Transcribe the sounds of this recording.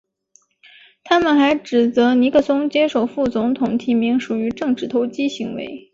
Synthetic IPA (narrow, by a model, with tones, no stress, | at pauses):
t̪ʰa˥mə˨nxa˧˥ɪʈ͡ʂɻ̩˨˩t͡sɤ˧˥ni˧˥kʰɤ˥˩sʊ˥ŋt͡ɕjɛ˥ʂo˥˩ʊfu˥˩t͡sʊ˧˥ŋt̪ʰʊ˨˩ŋt̪ʰi˧˥mi˧˥ŋʂu˨˩y˧˥ʈ͡ʂɤ˥˩ŋʈ͡ʂɻ̩˥˩t̪ʰo˧˥ʊt͡ɕi˥ɕi˧˥ŋwḛ˧˥ɪ